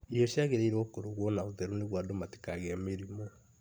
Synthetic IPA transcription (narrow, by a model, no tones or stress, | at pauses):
ioʃiaɣeɾeiɾokoɾoɣwɔnaoðɛɾoneɣwadomati̥kaɣeameɾimo